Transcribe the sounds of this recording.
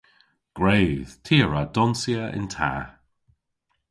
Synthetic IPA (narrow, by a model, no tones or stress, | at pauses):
ɡ̥ɹeːð̥tʰiːəɹədɔnsiəʔɪ̰ntʰa̰ː